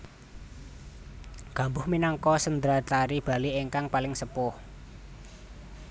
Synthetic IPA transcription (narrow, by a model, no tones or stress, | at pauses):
ɡ̥a̤mbʊhminaŋkɔsənd̪ɾataɾib̥a̤lieŋkaŋpalɪŋsəpʊh